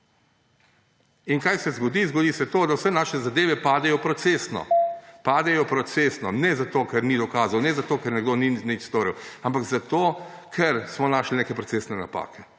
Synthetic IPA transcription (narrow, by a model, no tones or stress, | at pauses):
inkaːjsɛzɡɔd̪izɡod̪isɛt̪oːd̪awsɛnaːʃɛzad̪eːʋɛpaːd̪ɛjɔpɾɔt̪seːsnɔ̰paːd̪ɛjɔpɾɔt̪sesnɔnɛzat̪oːkɛɾnid̪ɔkaːzawnɛzat̪oːkɛɾnɛɡd̪oninit͡ʃst̪oːɾiwampaɡzat̪oːkʰɛɾsmɔnaːʃlinekɛpɾɔtseːsnɛna̰pa̰ːkɛ